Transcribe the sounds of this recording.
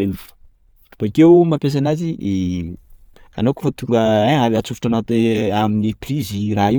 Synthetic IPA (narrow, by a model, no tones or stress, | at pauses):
el | u̥pakewmapes̬anazide | a̰noki̥fot̪uɡəaaliat͡sufiʈ͡ʂanat̪eaminiprizirai